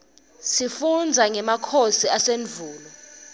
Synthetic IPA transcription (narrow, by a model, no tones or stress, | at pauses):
sifund͡zʱaŋɛmakʰosiaseɱvʱuːlɔ